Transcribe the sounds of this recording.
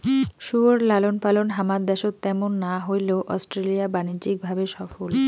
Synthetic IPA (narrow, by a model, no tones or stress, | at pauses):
ʃuɾlalonpalonɦamad̪ɛʃot̪t̪ɛmonːaɦojleoʔɔsʈɾelijabanid͡ʑik̚bʱabeʃɔfol